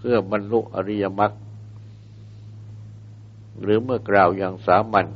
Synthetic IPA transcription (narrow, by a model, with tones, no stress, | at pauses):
pʰɯ˥˩ɐba˧nlu˦˥ʔʔa̰˧ɾi˦˧ja˧ma˦˥k̚ | ɾɯː˩˦mɯ˥˩ɐkɾaː˨wjaː˧ŋsaː˨˩˦ma˧n